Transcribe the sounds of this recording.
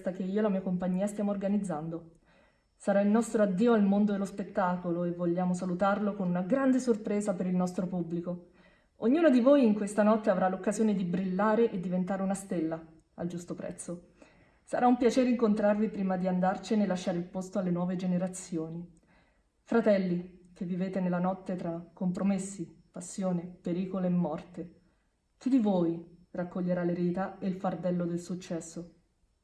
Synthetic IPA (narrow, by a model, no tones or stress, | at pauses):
t̪ak̟eiːolamiːakompaɲːiːast̪jaːmoːrɡanid̪zːand̪o | saɾailnɔst̪ɾoad̪ːiːoalmond̪oelospet̪ːaːkoloevːoʎːaːmos̬alut̪arlokonunaɡɾand̪esorpɾeːzapeɾilnɔst̪ɾopubːliko | oɲːuːnod̪ivoːjiŋkwest̪anɔt̪ːeavɾalokːazjoːned̪ibɾilːaːɾeʔed̪ːivent̪aːɾeunast̪elːa | a̰ld͡ʒust̪opɾɛ̰t̪sːo | sa̰ɾaumpjat͡ʃeːɾiŋkont̪ɾarvipɾiːmad̪iand̪art͡ʃinelːaʃːaːɾeilpost̪oalːenwɔːved͡ʒeneɾat̪sjoːni | fɾat̪ɛlːik̟evːiveːt̪enelːanɔt̪ːet̪ɾakːompɾomesːipasːjoːnepeɾiːkoleːmːɔrt̪e | k̪ud̪ivoːjrakːoʎːeɾalːeɾiːt̪aelfard̪ɛlːod̪elsut͡ʃːɛsːo